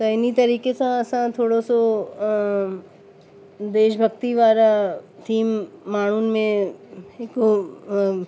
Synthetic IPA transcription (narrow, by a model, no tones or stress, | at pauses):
sɐɪnit̪ɐɾiːkesãɐsãt̪ʰoːɽoso | d̪eːʃbʱɐɡt̪iʋaːɾat̪ʰiːmːaːɳ̤̃unmẽ | eko